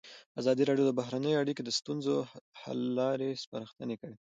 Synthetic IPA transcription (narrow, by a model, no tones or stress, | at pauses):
azɑd̪iɾɑɖjod̪əbaɦɾanəjoaɽiked̪əst̪unzoha̰lːɑɾespa̰ɾəxt̪ənekəɽi